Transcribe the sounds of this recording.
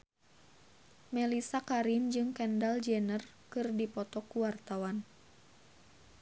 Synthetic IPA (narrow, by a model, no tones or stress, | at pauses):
mɛlisakaɾind͡ʒɨŋkɛndald͡ʒɛnər | kɨrdipɔt̪ɔkuwart̪awan